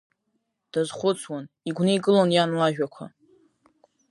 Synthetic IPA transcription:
d̥azχʷʊt͡sʰwan | iɡʷnɨiɡʼɨlonjanlaʒᶣakʷʰa̰

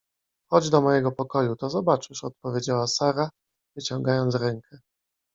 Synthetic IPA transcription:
xɔd͡ʑd̪ɔmɔjɛɡɔpɔkɔjut̪ɔzɔbat͡ʂɘʂɔt̪pɔvʲjed͡ʑawasaɾa | vɘt͡ɕɔŋɡajɔnt̪ɾɛŋkʰɛ

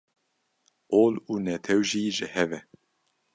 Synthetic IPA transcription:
ʔoːluːnɛt̪ʰɛwʒiːʒɨhɛvɛ

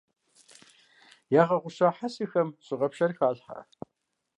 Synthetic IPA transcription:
jaːʁɐʁʷʊʃaːħasiːxɐmɕɪʁɐpʃɐrxaːɮħa̰

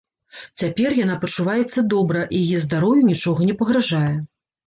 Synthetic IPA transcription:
t͡sʲapʲɛrjanapɐt͡ʂːuvajɛt̪sːɐd̪ɔbɾɐʔijajɛzd̪aɾɔwjunʲit͡ʂɔɣɐnʲɛpɐɣɾaʐajɛ

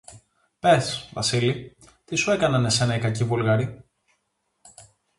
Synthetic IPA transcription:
pe̞svɐ̰sili | t̪isue̞kɐnɐnese̞nɐikɐcivulɣɐɾi

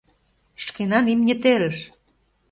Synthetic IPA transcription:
ʃkenɑnimnʲĕt̪eɾə̆ʃ

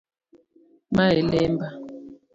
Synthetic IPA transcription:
maɦɛlɛmba

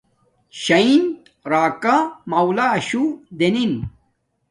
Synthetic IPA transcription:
ɕɐint̪ | ɾaːkamɐwlaːɕud̪enin

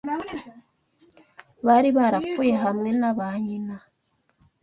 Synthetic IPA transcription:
βaɾiβaɾakuje̞ɦamŋe̞naβaɲina

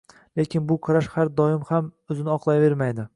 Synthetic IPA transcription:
le̞kʲʰɪnbʊqʰɨɾaʃhaɾd̪ɒɪmhamɵzɪnɪɒqlˠajve̞ɾmajd̪ɪ

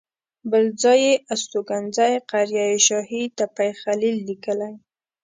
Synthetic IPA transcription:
bəld͡zɑjeʔast̪oɡanzajqaɾjajeʃɑhit̪apajxalilːikəlaj

